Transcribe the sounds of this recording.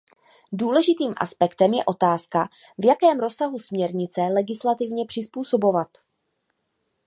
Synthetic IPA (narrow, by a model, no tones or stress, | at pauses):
duːlɛʒɪt̪iːmʔa̰spɛkt̪ɛmjɛ̰ʔo̞t̪aːska | vjakɛːmɾo̞saɦusmɲɛɾɲɪt͡sɛlɛɡɪslat̪ɪvɲɛpr̝̥ɪspuːso̞bo̞vat̪